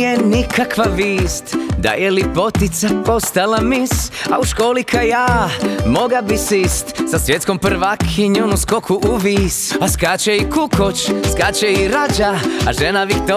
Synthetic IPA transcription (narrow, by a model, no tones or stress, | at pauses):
jenikʰakʋaʋiːst̪d̪a̰jelipo̞t̪it̪sapo̞st̪alamisa̰uʃkoːlikʰajaːmoɡabisist̪sasʋjet̪skompr̩ʋakʰiɲonuskokʰuʔuʋiːsaskat͡ʃɛikukʰot͡ʃskat͡ʃɛiɾad͡ʒaa̰ʒenaʋikt̪o